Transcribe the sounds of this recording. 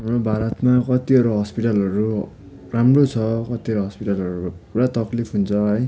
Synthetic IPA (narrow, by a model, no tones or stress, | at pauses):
ɦamrobʱaɾʌt̪makʌt̪iʌɾuɦʌspiʈalʌɾu | ramrot͡sʰʌkʌt̪iʌɾuɦʌspiʈalʌɾupuɽat̪ʌklipʰɦunt͡sʰʌɦʌj